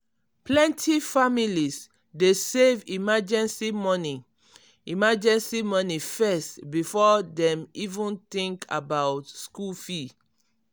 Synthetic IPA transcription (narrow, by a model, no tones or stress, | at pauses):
plɛ̃ntʰifamilis | desevimad͡ʒɛ̃nsimɔni | imad͡ʒɛ̃nsimɔnifɛstbifɔdɛ̃mivũnt̪ĩŋkʰa̰bawtskulfi